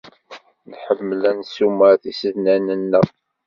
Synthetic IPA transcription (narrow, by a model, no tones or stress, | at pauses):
nħəmːlænsuməɾθisəðnænənːə